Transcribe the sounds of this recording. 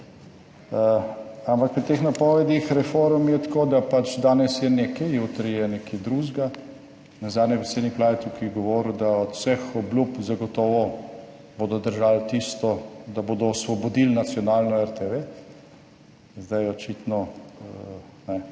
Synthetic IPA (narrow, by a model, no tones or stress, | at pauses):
əampak̚pɾit̪eːxnapɔʋɛd̪ixɾɛfoːɾmjɛt̪koːd̪apat͡ʃd̪aːnɛsjɛnekɛjut̪ɾijɛnekʰid̪ɾuʒɡa | nazad̪nʲjɛpɾeseːd̪niklaːjɛt̪sukiɡɔʋɔːɾud̪aɔt̪sɛxɔblupzaɡɔt̪ɔːʋɔ | boːd̪ɔd̪əɾʒalt̪ist̪ɔd̪aboːd̪ɔːsʋɔbɔd̪ilnat̪sjɔnaːlnɔɛɾt̪eʋe | zd̪ajɔt͡ʃit̪nɔ | nɛ